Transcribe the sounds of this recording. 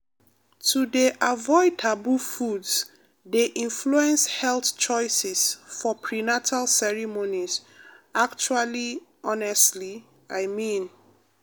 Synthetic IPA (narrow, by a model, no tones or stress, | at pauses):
tʰudeʔavɔɪtʰabufudz | deʔĩnfluɛ̃nshɛltt͡ʃɔɪsɛsfɔpʰɹinatʰalsɛɹimonizak̚t͡ʃualiʔɔnɛstli | ʔaɪmĩn